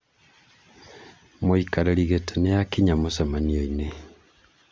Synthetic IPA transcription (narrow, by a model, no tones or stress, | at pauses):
moikaɾeɾiɣetenejakiɲamosɛmanioine